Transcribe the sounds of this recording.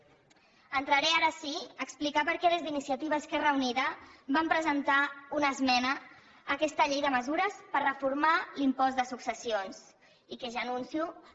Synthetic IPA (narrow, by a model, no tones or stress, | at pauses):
ənt̪ɾəɾɛaɾəsiəksplikapəɾkɛðəzðinisiət̪iβ̞əskerəuniðəbampɾəzənt̪aunəzmɛnəː | kɛst̪əʎejðəməzuɾəspərəfuɾmalimpɔzd̪əsuksəsions | ikeʒanunsiu